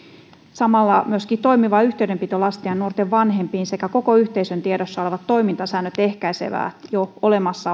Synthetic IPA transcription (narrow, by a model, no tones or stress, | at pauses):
sɑmɑlːɑmyøskiːt̪o̞jmiʋɑːyht̪eydempit̪ølɑst̪iɑnnuort̪eʋʋɑnɦe̞mpiːnse̞kæko̞koyht̪eisønt̪ieɾosːɑo̞le̞ʋɑt̪ːo̞jmint̪ɑsæːnːøt̪e̞hkæjse̞̰ʋæ̰ːjoole̞mɑsːɑ